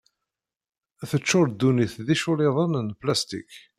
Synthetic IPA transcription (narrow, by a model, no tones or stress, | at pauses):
æθət͡ʃːʊɾd̪ːuniθðiʃʊlɪðˤənənplæst̪ḭk